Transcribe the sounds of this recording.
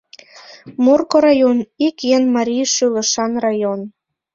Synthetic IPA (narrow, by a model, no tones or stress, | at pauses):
morkoɾɑjonikjenmɑɾʲiʃylə̆ʃɑnrɑjon